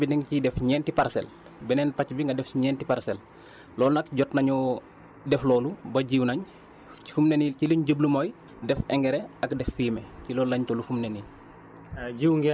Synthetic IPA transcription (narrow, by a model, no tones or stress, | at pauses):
binɛŋcidɛfɲɛːntipaɾsɛ̰l | bɛnɛnpɐcbiŋɡɐdɛfɲɛːntipaɾsɛl | lɔːlnɐkɟɔtnɐɲɔ | dɛflɔːlubɐɟiwnɐɲ | i̥fumnɐnilciliɲɟəblumɔj | dɛfɛŋɡɛɾɛɐkdɛfːiːmɛcilɔːllɐɲtɔlufumnɐniːl | ɟiwŋɡɛ